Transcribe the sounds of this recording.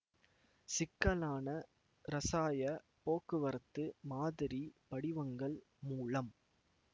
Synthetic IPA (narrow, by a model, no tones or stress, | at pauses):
sɪkːɐlaːnɐ | ɾɐsaːjɐ | poːkːɯʋɐɾɐt̪ːɯmaːðɪɾipɐɽɪʋɐŋɡɐɭ | muːlɐm